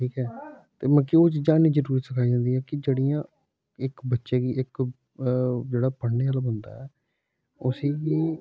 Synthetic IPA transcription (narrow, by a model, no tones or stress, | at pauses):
ʈʰiːkɛː | t̪eːmə̃kioːt͡ʃd͡ʒaːniːd͡ʒəɾuːɾiːt̪səkʰaːiːd͡ʒãːnd̪iːɦɛːkɪd͡ʒeːɽijãː | ɪkbətːʃeːɡiːɪk | d͡ʒeːɽaːpəɳneːaːlabənd̪a̰ːɛː | ʊsiːɡiː